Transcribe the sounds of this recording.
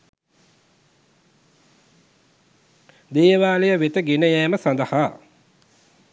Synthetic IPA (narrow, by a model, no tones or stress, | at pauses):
d̪eːəʋaːlejəʋet̪əɡenəjɛːməsand̪əhaː